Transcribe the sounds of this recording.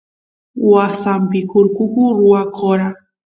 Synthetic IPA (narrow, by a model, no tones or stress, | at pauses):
wasampɪkʊɾkʊkʊɾʊwakʰoɾa